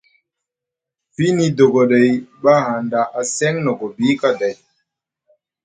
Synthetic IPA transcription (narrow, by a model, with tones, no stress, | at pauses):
fi˦ni˦do˨ɡɔ˨ɗa˨jɓa˦ha˨nda˨ʔa˨sɛ˦ŋnɔ˨ɡɔ˨bi˦ka˦da˨j